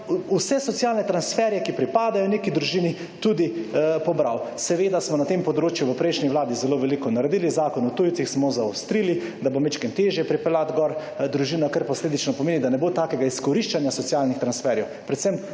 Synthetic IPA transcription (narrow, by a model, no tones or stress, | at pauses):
usɛsɔt̪sijalnɛt̪ɾansfɛɾjɛkipɾipaːd̪ajɔnekid̪ɾuʒiːni | t̪ud̪ipɔbɾawsɛʋeːd̪asmɔnat̪empɔd̪ɾoːt͡ʃjuʋəpɾɛjʃniʋlaːd̪izɛloʋɛlikɔnaɾɛd̪iːlizaːkɔnut̪uj̪sixsmɔzaɔst̪ɾili | d̪abomet͡ʃkɛnt̪eːʒjɛpɾipɛlat̪ɡɔɾ | d̪ɾuʒiːnakaɾpɔsleːd̪it͡ʃnɔpɔmeːnid̪anɛbot̪aːkɛɡaiskɔɾiʃt͡ʃanjasɔt̪sijaːlnixt̪ɾansfɛɾjɛwpɾɛt̪sɛm